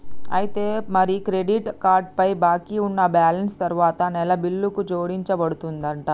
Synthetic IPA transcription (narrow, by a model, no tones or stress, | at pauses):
ɐ̰jit̪eːmɐɾikɾeɖiʈkaːɾɖ̚pɐjbaːkiunːɐbaːlɐnst̪ɐɾuʋaːt̪ɐnɛlɐbilːukut͡ʃo̞ːɽiɲt͡ʃɐbɐɽut̪und̪ɐɳʈa